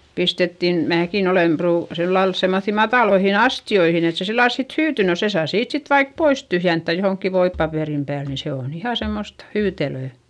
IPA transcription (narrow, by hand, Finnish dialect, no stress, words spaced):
pistetːin mæːkin olem pruː silːɑl semːoθːi mɑtɑˑloihin ɑstioihin et se silːɑl sit hyːty no se sɑː siːt sit ʋɑik pois tyhjentːæ johoŋkːi ʋoipːɑpeˑrim pæːl ni se on ihɑ semːost hyːteløˑ